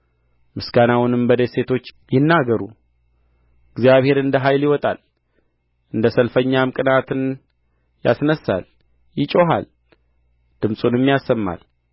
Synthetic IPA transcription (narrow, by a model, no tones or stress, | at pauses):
mɨsɡanawʊnɨmbəd̪ese̞t̪ʰo̞t͡ʃːjɪnːaɡəɾu | ɨɡzijaβhe̞ɾɨnd̪əɦajljɪwɔt̪ʼa̰l | ʔɨnd̪əsəlfəɲːamɨkʼɨnat̪ʰɨn | ja̰snəsːa̰l | jɪt͡ʃʼo̞ɦa̰l | d̪̥ɨmsʼunjɛmːijasːəmːa̰l